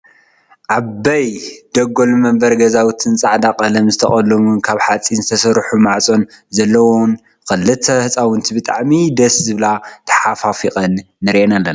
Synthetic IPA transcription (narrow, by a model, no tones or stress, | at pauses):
ʔabɐjd̪̥ɐɡo̞lmɐmbɐɾɡɐzawt̪ʰɨnt͡sʼaʕd̪aqʼɐlɐmzɨt̪ʰɐχʼɐlɐmunkʰaβħat͡sʼinzɨt̪ʰɐsɐɾħumaʕt͡sʼo̞nzɐlːɐwon | xɨlːɨt̪ɐhɨt͡sʼawʊnt̪ʰibɨt̪ʼa̰ʕmid̪ɐszɨβlat̪ʰɐ̥ħafafiqʼɐnː | ɨɾʔenalːɐn